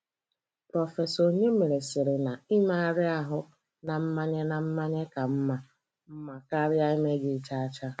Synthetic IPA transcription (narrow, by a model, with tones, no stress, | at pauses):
pɾɔ˨fe˨so˨ɲe˦me˨ɾe˨sɪ˨ɾɪ˨na˨i˦ma˦a˦ɾɪ˦a˦ɦʊ˦ | na˨m̩˦ma˦ɲe˦na˨m̩˦ma˦ɲe˦ka˨m̩˦ma˦ | m̩˦ma˨ka˦ɾja˦i˦me˦ɡɪ˦˨t͡ʃa˦a˦t͡ʃa˦